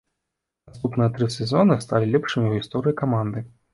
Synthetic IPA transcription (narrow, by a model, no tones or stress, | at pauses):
nast̪upnɨjɐt̪ɾɨsʲɛzɔnɨst̪alʲilʲɛpʂɨmʲiwɣʲist̪ɔɾɨikamand̪ɨ